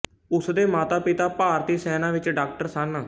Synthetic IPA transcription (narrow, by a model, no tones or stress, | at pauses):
ʊsd̪eːmaːt̪aːpɪt̪aːpaːɾt̪iːsɛːnãːʋɪt͡ʃɖaːkʈəɾsaːnaː